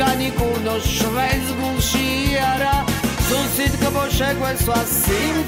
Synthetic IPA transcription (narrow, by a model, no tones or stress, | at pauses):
anikunɔʃvɛj̪zɡufʃiaɾazusit̪kɔpɔʃɛɡwɛswasim